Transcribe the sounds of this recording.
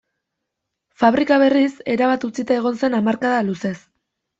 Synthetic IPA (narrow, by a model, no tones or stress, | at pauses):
faβ̞ɾikaβ̞e̞rise̞ɾaβat̪ut͡sit̪ae̞ɣ̞o̞nse̞namaɾkaðaluse̞s